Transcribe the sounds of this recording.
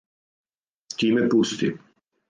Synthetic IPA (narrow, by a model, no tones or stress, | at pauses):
t̪ʲiːmɛpust̪ḭ